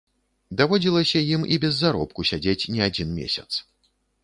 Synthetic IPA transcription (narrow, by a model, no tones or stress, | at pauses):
d̪avɔd͡zʲilˠɐsʲɐjimḭbʲɛzːaɾɔp̚kusʲad͡zʲet͡sʲnʲɛad͡zʲinmʲḛsʲɐt̪s